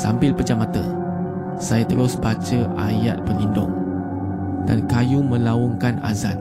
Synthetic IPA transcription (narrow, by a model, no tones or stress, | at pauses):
sampɪlpəd͡ʒamat̪ə | sajat̪əɾʊsbat͡ʃəʔajat̪̚pəlindʊ̰ŋ | dankajumə̃laɔŋkana̰za̰t̪̚